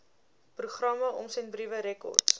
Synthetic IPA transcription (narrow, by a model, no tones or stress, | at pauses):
pruχrɐməʔɔmsɛntbrivəɾɛkɔ̰rts